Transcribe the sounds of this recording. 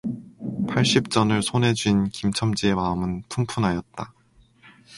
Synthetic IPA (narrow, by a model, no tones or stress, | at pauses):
pʰaɭɕ͈ip̚t͡ɕ͈ʌnɯɭsʰonɦe̞d͡ʑuinkimt͡ɕʰʌmd͡ʑie̞maɯmɯnpʰumpʰunɦajʌt̚t͈a